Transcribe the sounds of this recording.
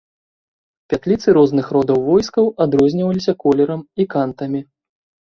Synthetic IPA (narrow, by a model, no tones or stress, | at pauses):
pʲat̪lʲit̪sɨɾɔznɨxɾɔd̪ɐwvɔjskɐwad̪ɾɔzʲnʲivɐlʲisʲɐkɔlʲɛɾɐmikant̪ɐmʲi